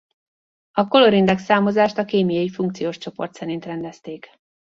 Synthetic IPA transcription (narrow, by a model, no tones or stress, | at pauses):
ɒko̞lo̞ɾind̪ɛksaːmo̞zaːʃt̪ɒkeːmijɒifuŋkt̪sijoːʃt͡ʃo̞po̞rt̪sɛɾint̪rɛnd̪ɛst̪eːk